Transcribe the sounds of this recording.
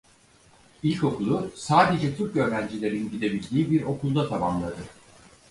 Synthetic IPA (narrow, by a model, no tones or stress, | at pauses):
ilʲko̞kulˠusaːd̪e̞d͡ʒɛt̪ʰuk̚ɟø̞ɾvænd͡ʒilʲe̞ɾinɟid̪e̞bilʲd̪iːbiɾo̞kʰulˠd̪at̪ʰamamlˠad̪ɯ